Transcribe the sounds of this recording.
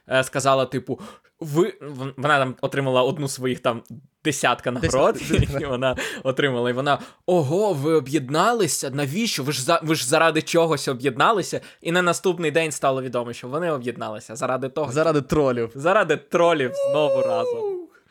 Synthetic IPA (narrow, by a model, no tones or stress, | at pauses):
skɐzɑlˠɐt̪ɪpʊ | ʋɪʋɔnɑt̪ɑmɔt̪ɾɪmɐlˠɐɔd̪nusʋɔjixt̪ɑm | d̪̥esʲat̪kɐnɐɾɔt̪ʲiʋɔnɑɔt̪ɾɪmɐlˠɐiʋɔnɑɔɦɔʋɪɔbjid̪nɑlˠɪsʲɐnɐʋʲit͡ʃɔʋɪʒzɐʋɪʒzɐɾɑd̪ɪt͡ʃɔɦɔsʲɔbjid̪nɑlˠɪsʲɐ | inɐnɐst̪upnɪjd̪ɛnʲst̪ɑlˠɔʋʲid̪ɔmɔʃt͡ʃɔʋɔnɪɔbjid̪̚nɑ̰lˠɪsʲɐzɐɾɑd̪ɪt̪ɔɦɔɐad̪t̪ɾɔlʲiwzɐɾɑd̪ɪt̪ɾɔlʲiwznɔʋʊɾɑzʊ